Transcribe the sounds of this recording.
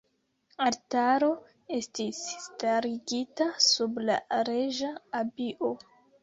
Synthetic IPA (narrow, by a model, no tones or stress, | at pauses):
aɾtaɾo̞ | e̞stisːtaɾiɡitasubla̰ɾe̞ʒaːbiʔo